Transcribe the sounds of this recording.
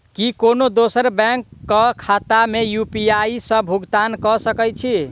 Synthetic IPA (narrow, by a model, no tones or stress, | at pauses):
kikonod̪osəɾbɛ̃ŋkːəkʰat̪amejupiaisə̃bʱuɡt̪ankɔsəkɛt͡ʃʰi